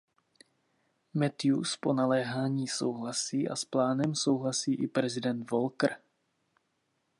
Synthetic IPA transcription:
mɛt̪iuspo̞nalɛːɦaːɲiːso̰wɦlasiːʔa̰splaːnɛmso̞wɦlasiːʔɪpɾɛzɪdɛnt̪volkr̩

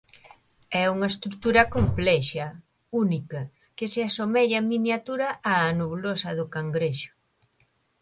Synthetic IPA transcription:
ɛuŋɐest̪ɾut̪uɾɐkomplɛʃɐ | unikɐ | kɪseasomɛʎaminjat̪uɾɐʔaːnoβlosɐðʊkaŋɡɾeʃʊ̥

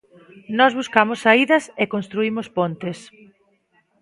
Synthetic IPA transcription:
nɔzβuskamosːaiðɐsekonst̪ɾuimʊspont̪es

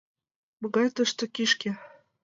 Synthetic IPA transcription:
mɤ̆ɣɑjt̪ɤ̆ʃt̪ŏkiʃkĕ

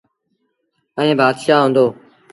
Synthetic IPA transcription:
ə̃ẽːbaːd̪ʃaːɦõːnd̪oː

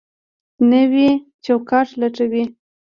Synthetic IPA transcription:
nəwit͡ʃawkɑʈ͡ʂlaʈ͡ʂawi

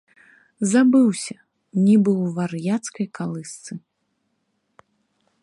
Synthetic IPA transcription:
zabɨwsʲɐ | nʲibɨwvarjat̪skɐjkalˠɨst̪sɨ

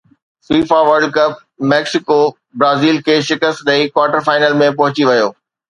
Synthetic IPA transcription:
siːfaʋɐɾɖ̚kɐp̚ | mɛːksɪko | bɾaːziːlkʰeːʃɪkəst̪ɗɐikwaːʈəɾfaːɪnəlmẽp̬ɐɦʊt͡ɕiʋɐjoː

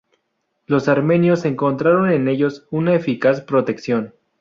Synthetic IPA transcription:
lo̞saɾme̞njo̞se̞ŋko̞nt̪ɾaɾo̞ne̞ne̞ʝo̞sunaefikaspɾo̞t̪e̞ksjo̞n

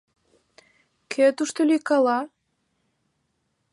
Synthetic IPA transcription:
kʰet̪uʃt̪olʲyjkɑlɑ

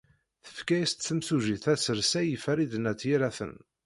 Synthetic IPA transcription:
θə̥fkæjist̪θəmsuʒiθæsəɾsæjəfæɾid̪ənæt̪ːjiɾæθə̰n

